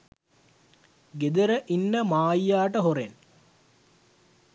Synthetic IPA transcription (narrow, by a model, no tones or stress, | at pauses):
ɡed̪əɾəʔinːəmaːijaːʈəɦoɾen